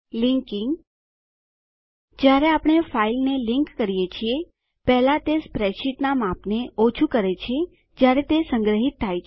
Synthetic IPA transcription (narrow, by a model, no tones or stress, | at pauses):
liŋkɪŋɡ | d͡ʒjaɾeapɳ̃efailnelɪŋkːəɾijet͡ʃʰie | pɛɦlat̪espɾɛʃiʈnamapneot͡ʃʰukəɾet͡ʃʰe | d͡ʒjaɾet̪esəŋɡɾəɦit̪ʰːajt͡ʃʰ